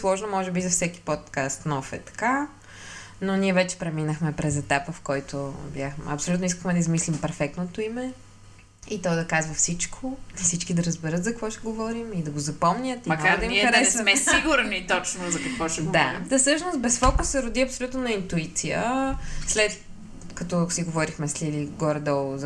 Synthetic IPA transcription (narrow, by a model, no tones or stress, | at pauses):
slˠɔʒnomɔʒɛbizɐfsɛki̥pɔt̪kast̪nɔfɛ̰t̪ɐ̥ka | noniɛvɛt͡ʃɛ̥pɾɛminəxmɛpɾɛzɛt̪apvəfkɔjt̪objaxm̰ɐ̰psolʲut̪nois̬kəxmɛd̪ɐizmislimpɛɾfɛk̚t̪not̪oimɛ | it̪ɔd̪ɐkazvɐfsit͡ʃkʰonɐsit͡ʃkid̪ɐɾəzbɛɾət̪zkvɔʃɛɡovɔɾimid̪ɐɡozɐpɔmɲʲət̪imɐnad̪ɐiiɐɾɛssiɡʊɾnit̪ɔt͡ʃnozɐkɐkvɔʃɛd̪at̪sɤʃnost̪̚bɛsfɔkusɛɾʊd̪iɐpsolʲut̪nonɐint̪uit̪sijəslɛt̪ | kɐt̪ɔsiɡovɔɾixmɛslʲiliɡɔɾd̪ɛlˠz